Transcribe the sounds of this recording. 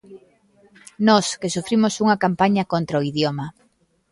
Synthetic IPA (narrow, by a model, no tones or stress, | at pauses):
nɔskesufɾimʊsuŋɐkampaɲɐkont̪ɾɐoiðjomɐ